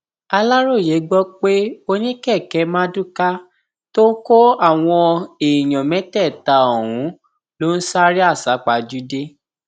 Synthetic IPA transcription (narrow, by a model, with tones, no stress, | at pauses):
a˧la˦ɾo˦˨je˨˦ɡ͡bɔ˦k͡pe˦o˧nĩ˦kɛ˦˨kɛ˧˦mãː˦dũ˦ka˦ | to˦ko˦a˦˨w̃ɔ̃˧e˨i˨j̃ɔ̃˨mɛ̃˨˦tɛ˦˨ta˨o˨wũ˨˦ | lo˦n̩˦sa˦ɾi˦a˦˨sa˨˦k͡pa˨˧d͡ʒu˦de˦